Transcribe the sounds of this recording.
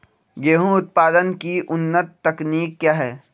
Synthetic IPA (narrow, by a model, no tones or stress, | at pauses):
ɡeːɦũʊt̪̚paːd̪ənkiʔʊnːət̪ːɐkniːkːjaːɦɛː